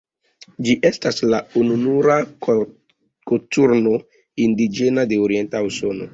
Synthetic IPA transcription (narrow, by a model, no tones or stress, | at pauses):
d͡ʒiʔe̞staslaununuɾa | kotuɾno̞ | indid͡ʒe̞nade̞oɾie̞ntauso̞no̞̰